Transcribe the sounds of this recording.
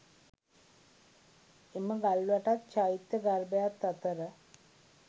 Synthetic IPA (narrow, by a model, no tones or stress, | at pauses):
eməɡalːʋaʈat̪t͡ʃait̪jəɡaɾbəjat̪ːat̪əɾə